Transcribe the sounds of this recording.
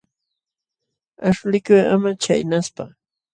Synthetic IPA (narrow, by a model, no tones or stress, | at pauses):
aʂlɪkʊja̰mat͡ʃa̰jnaspa